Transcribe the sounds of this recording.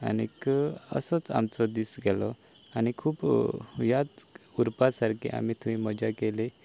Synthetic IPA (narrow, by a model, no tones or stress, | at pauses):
a̰nikəə̰sət͡sa̰mt͡sɔd̪isɡɛlɔ | anikʰuːpjat͡suɾpasaɾkʰḛʔa̰mit̪ʰuʋiməd͡ʑakele